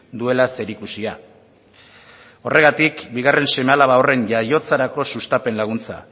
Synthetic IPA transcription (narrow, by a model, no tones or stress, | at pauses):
d̪ue̞lase̞ɾikusia | o̞re̞ɣ̞at̪ikbiɣ̞are̞nse̞mealaβawre̞nʝajo̞t͡saɾako̞sust̪ape̞nlaɣ̞unt͡sa̰